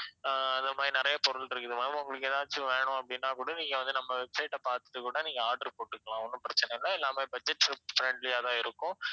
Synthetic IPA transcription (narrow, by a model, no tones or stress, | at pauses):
ɐnd̪ɐmaːdɾinɪɾɐjɐpɔɾɯlɪɾɯkːɯðɯmaːðiʊŋɡɐɭɯk̬ːt̪ãːt͡ʃːɯʋeːɳʊ̃ɐpːɐɽɪnːaːkuːɽɐniːŋɡɐʋɐnd̪ɯnɐmːɐʋɛbsɐɪʈːɐpaːɾt̪ɯ̥ʈ̪ːɯkuːɽɐniːŋɡɐaːɾɖɐɾpoːʈːɯkːɐɭãːɔnːɯ̃pɪɾɐt͡ʃːɐnɛɪlːaɛlːaːmeːbɐd͡ʒɛʈːɾfɾɛɳɖlɪjaːðãːɪɾɯkːʊ̃